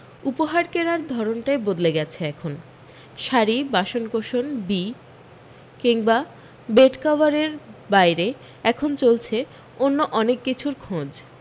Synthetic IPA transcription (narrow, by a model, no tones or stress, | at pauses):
upoɦaɾkeɾaɾd̪ʱɔɾonʈaebod̪leɡɛt͡ɕʰeɛkʰon | ʃaɾibaʃonkoʃonbi | kiŋba | beʈkɔbaɾeɾbajɾe | ɛkʰont͡ɕolt͡ɕʰe | onːoʔɔnekːit͡ɕʰuɾkʰõd͡ʑ